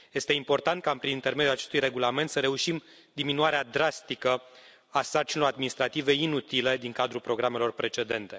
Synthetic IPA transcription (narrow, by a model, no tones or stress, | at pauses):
je̞st̪e̞impo̞rt̪ant̪̚kampɾinint̪e̞rmed̪julat͡ʃe̞st̪ujre̞ɡulame̞nt̪səɾe̞uʃim | d̪iminuaɾead̪ɾast̪ikə | asart͡ʃinelo̞ɾad̪̚minist̪ɾat̪ive̞inut̪ile̞d̪iŋkad̪ɾulpɾo̞ɡɾame̞lo̞rpɾe̞t͡ʃe̞d̪e̞nt̪e̞